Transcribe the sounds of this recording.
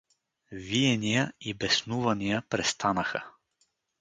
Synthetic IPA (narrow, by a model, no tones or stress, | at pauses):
vijɛnijəibɛsnuvɐnijəpɾɛst̪ʰanəxə